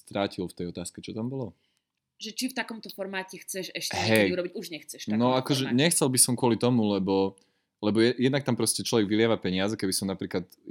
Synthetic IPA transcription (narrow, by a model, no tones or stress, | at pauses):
st̪ɾaːcilft̪ɛjɔt̪aːskɛt͡ʃit̪ambɔlɔ | ʒɛt͡ʃift̪akɔmt̪ɔfɔɾmaːcɛxt͡sɛʃɛʃcɛɦɛjuɾɔbiɟuʒɲɛxt͡sɛʃt̪anɔakɔʒɛɲɛxt͡sɛlbisɔmkʊɔlit̪ɔmulɛbɔ | lɛbɔjɛjɛd̪nak̚t̪ampɾɔscɛt͡ʃlɔʋɛɡʋilɪaʋapɛɲɪad͡zɛkɛbisɔmnapɾiːklat̪